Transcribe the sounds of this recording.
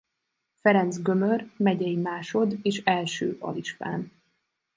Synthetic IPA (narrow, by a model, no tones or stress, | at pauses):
fɛɾɛnt̪zɡø̞mørmɛɟɛjimaːʃo̞d̪eːʃɛlʃø̰ːʔɒ̰liʃfa̰ːn